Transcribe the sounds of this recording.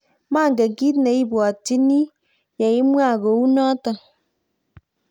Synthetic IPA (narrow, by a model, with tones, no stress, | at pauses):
ma˦˨ŋɡe˨ɡi˦tne˨i˦bɔ˨ti˦ni˦ | je˨i˦mwa˦˨ɡo˨u˦nɔ˦tɔ˨